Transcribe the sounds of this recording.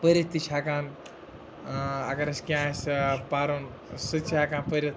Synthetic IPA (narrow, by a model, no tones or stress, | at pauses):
pəɾɐt̪ːit͡ʃʰakaːn | a̰kɐɾɐskʲãːspaːɾon | sɨt͡ʃʰiakaːnpəɾʲɐt̪